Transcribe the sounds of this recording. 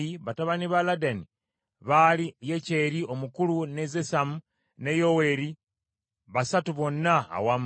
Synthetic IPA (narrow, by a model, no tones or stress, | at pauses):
iβataβaniβaladani | βalije̞ce̞ɾio̞mukulune̞zesamu | ne̞jowe̞ɾi | βasatuβo̞nːa̰ːwam